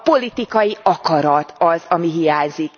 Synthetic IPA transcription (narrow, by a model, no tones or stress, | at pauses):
po̞lit̪ikɒjiɒkɒɾɒt̪ʰɒzɒmiɦijaːɲzik